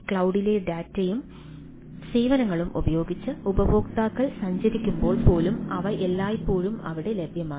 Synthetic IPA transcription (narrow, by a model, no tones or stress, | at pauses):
kɭɐwɽile̞ɖaːtːejum | siːʋɐnɐŋːɐɭumʔubɐjo̞ːɡit͡ɕːɨubɐboːkt̪aːkːɐɭsɐɲd͡ʑɐɾikʲːumbo̞ːɭpo̞ːlumɐʋɐʔelːaːjpːoːɻumɐ̰ʋiɽe̞lebʱjɐmaː